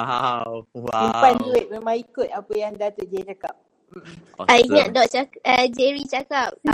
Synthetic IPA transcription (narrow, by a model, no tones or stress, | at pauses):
simpanduɪt̪̚memãikʊt̪̚apəjaŋdat̪ət̚d͡ʒaɾit͡ʃakap̚ | m̩m̩aiŋaʔ̚dɔʔ̚t͡ʃakəd͡ʒɛɾit͡ʃakap̚